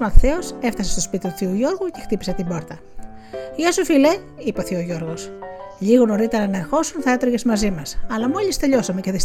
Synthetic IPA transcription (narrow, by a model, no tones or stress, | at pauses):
mɐt̪θe̞o̞se̞ft̪ɐsest̪ospit̪it̪u̥θiuʝo̞ɾɣuce̞xt̪ipise̞t̪imbo̞ɾt̪ɐ | iɐsufile̞ | ipoθioʝo̞ɾɣo̞sʎiɣono̞ɾit̪e̞ɾɐnɐexo̞sunθɐe̞t̪ɾoɣʝe̞zmɐzimɐsɐlɐmo̞ʎist̪e̞ʎo̞sɐme̞ceðis